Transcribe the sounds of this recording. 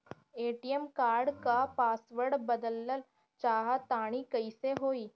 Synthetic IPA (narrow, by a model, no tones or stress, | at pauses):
eːʈijəmkaːɾɖkapaːsʋəɾɖbəd̪əlːəl | t͡ʃaːɦat̪aːɽ̃ikəiseɦoːiː